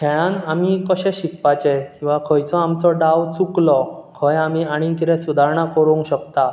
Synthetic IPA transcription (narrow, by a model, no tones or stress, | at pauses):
kʰɛɭ̃ãnamikəɕɛ̃ɕikpat͡ɕɛkĩw̃ʋakʰəjt͡sɔamt͡sɔɖawt͡suklɔkʰəjamiaɽ̃ikiɾɛ̃sud̪ʱaɾɳakəɾuŋɡɕəkt̪a